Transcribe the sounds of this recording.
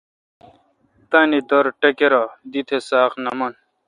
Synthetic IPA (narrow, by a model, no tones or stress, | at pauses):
t̪anid̪ɐɾʈɐkeɾad̪it̪ʰesaːqnɐmɐn